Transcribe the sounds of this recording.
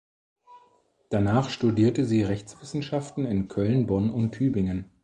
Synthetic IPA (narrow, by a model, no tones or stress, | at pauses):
d̥anaːχʃtudiːɐtəziːʁɛçt͡sv̥ɪsn̩ʃaftn̩ɪnkʰœlnbɔnʊntʰyːbɪŋən